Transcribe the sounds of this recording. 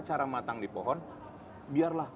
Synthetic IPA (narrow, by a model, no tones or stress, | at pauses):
t͡ʃaɾamat̪aŋdipɔɦɔn | biarlah